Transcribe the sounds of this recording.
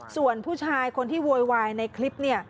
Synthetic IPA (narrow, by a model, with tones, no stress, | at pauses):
su˨˩ənpʰuː˥˩t͡ɕʰaː˧jkʰo˧nt̪ʰiː˥˩wu˧jwaː˧jna˧jkʰli˦˥p̚ni˥˩ɐ